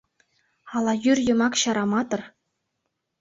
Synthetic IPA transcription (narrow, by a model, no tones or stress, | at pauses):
ɑlˠɑjyrʲjɤ̆mɑkɕɑɾɑmɑt̪ɤ̆r